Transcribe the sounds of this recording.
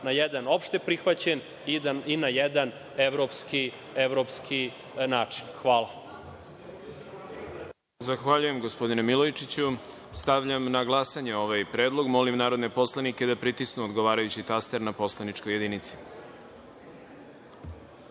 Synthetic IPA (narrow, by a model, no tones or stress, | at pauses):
najɛd̪ano̞pʃt̪epɾixʋat͡ɕen | iinajɛd̪an | eʋɾopski | eʋɾopskʰi | naːt͡ʂi̥nxʋaːlˠa | zaxʋaʎuje̞mɡo̞spo̞d̪inemilˠojt͡ʃit͡ɕu | st̪aʋʎamnaɡlˠasaɲeo̞ʋajpɾe̞ːd̪lˠo̞ɡmo̞limnaːɾo̞d̪ne̞po̞slˠaniked̪apɾit̪isnuod̪ɡo̞ʋaːɾajut͡ɕit̪ast̪eɾnapo̞slˠanit͡ʂkoje̞d̪init̪si̥